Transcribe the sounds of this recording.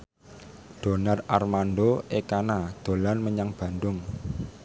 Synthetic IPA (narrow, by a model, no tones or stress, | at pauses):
d̪̥o̤nararmanɖoekanad̪̥o̤lanməɲaŋb̥ä̤nd̪ʊŋ